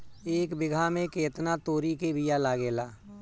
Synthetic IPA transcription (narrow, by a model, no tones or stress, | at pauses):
eːkbɪɡʱamẽkeːt̪nat̪oːɾikebʱɪjalaːɡeːlaː